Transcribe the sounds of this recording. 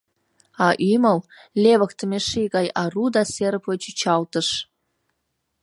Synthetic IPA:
ɑʔyməllʲeβə̆kt̪əmʲeʃiɣɑjɑrud̪ɑseɾəpot͡ɕyt͡ɕɑlt̪əʃ

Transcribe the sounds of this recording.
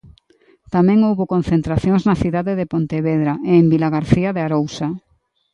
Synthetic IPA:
t̪amɛ̃ŋowβokon̟θent̪ɾaθjõŋznaθiðaðeðepont̪eβeðɾaʔeːmbilaɣaɾθiaðeaɾowsa

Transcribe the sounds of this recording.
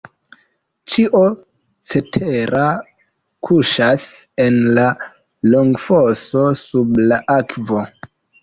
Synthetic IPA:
t͡ʃiʔo | t͡se̞tʰe̞ɾa | kʰuʃase̞nla | loŋɡfoso̞sublaʔakvo̞

